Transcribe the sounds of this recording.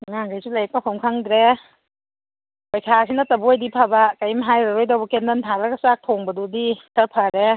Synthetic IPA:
ŋaŋɡajsʰulak̚pakʰɔmkʰaŋdɾe | bajkʰasʰinatabujdipʰabakajmɦajɾaɾɔjdawbɔkendantʰalaɡasak̚t̪ʰoŋbadudikapʰaɾe

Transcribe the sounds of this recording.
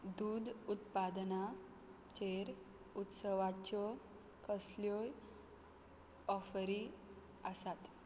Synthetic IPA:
d̪ud̪ut̪pad̪na | t͡ɕeɾ | ut̪səʋat͡ɕɔ | kəsljoj | ɔfɾi | əsat̪

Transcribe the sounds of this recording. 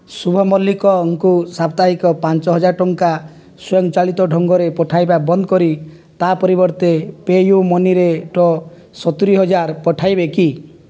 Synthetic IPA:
subʱɔmɔlːikɔŋkusapt̪aɦikɔpant͡ʃɔɦɔd͡ʒaɾʈɔŋka | sɔjɔŋt͡ʃaɭit̪ɔɖʱɔŋɡɔɾepɔʈʰajbabɔnd̪ɔkɔɾi | t̪apɔɾibɔɾt̪epejumɔniɾeʈɔ | sɔt̪uɾiɦɔd͡ʒaɾpɔʈʰajbeki

